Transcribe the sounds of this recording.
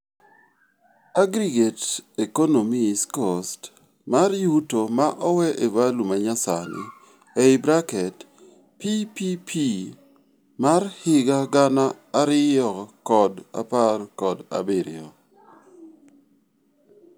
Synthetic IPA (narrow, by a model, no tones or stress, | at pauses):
aɡɾiɡetekonomiskost | marjutomaʔɔwɛʔevalumaɲasanɪ̰ | eɪbɾakɛt | pipipʰi | marhɪɡaɡanaːɾɪjɔkɔda̰parkɔda̰bɪɾɪ̰ɔ